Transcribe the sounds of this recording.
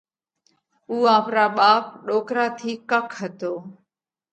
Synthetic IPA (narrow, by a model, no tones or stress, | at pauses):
uːãːpɾaːɓaːpɗoːkɾaːt̪ʰiːkəkʰɦət̪oː